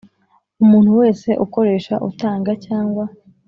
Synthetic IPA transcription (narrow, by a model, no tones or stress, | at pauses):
umuːn̥huwe̞ːse̞ʔuko̞ɾe̞ːʃaʔṵtaːŋɡacaːŋɡwa